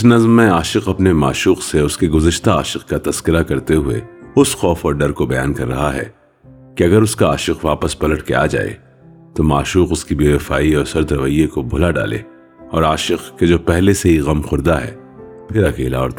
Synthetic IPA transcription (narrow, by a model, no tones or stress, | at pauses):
ɪsnɐzmːẽaːʃɪqɐpnemaːʃuːqseʊskeɡʊzəʃt̪aaːʃɪqkat̪ɐz̥kɪɾakɐɾt̪eɦʊḛʊsxɔːfɔːɾɖɐɾkobɐja̰ːnkɐɾːɐ̰ɦaɦɛ̰ː | kiɐɡəɾʊskaaːʃɪqʋaːpəspɐləʈkḛa̰ːd͡ʒa̰ːḛ | t̪omaːʃuːqʊskibeːʋɪfaːiɔːɾsɐɾd̪ɾɐʋəjːekobʱʊlaɖa̰ːlḛː | ɔːɾaːʃɪqked͡ʒoːpɛɦleseɦiɣɐmxʊɾd̪aɦɛ̰ː | pʰɪɾɐkeːla̰ɔːɾt̪